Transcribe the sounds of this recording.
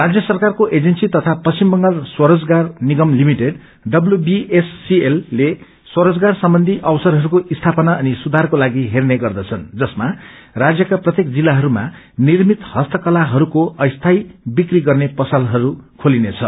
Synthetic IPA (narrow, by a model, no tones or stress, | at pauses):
rad͡zjʌsʌrkarkoʔed͡zensit̪ʌt̪ʰapʌst͡ɕimbʌŋɡalswʌɾʌd͡zɡarniɡʌmlimiʈeɖ | ɖʌbljubiesːielːe | swʌɾʌd͡zɡarsʌmbʌnd̪ʱiʔʌbsʌɾɦʌɾukoʔist̪ʰapʌnaʌnisud̪ʱarkolaɡiɦerneɡʌrd̪ʌt͡sʰʌnd͡zʌsma | rad͡zjʌkaprʌt̪jek̚d͡zilːaɦʌɾuma̰ | nirmit̪hʌst̪ʌkʌlaɦʌɾukoʌjst̪ʰajbikriɡʌrnepʌsʌlɦʌɾukʰolinet͡sʰʌ